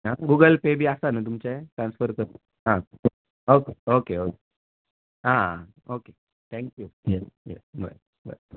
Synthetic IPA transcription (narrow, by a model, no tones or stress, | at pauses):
ɦãɡuɡəlpebiːasanət̪̬umt͡ɕaet̪ɾansfəɾkəɾt̪ | ɦã | okeokeoke | ɦã | oke | t̪ʰɛ̃ŋkjujɛsjɛsbə̰ɾ | bə̰